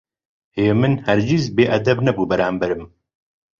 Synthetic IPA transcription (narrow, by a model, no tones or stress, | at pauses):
heːmɨnhɛɾd͡ʒizbeːʔɐd̪ɛbnɛbuːbɛɾaːmbɐɾɨm